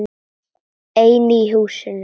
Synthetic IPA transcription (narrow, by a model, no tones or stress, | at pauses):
ejniːɦuːʃən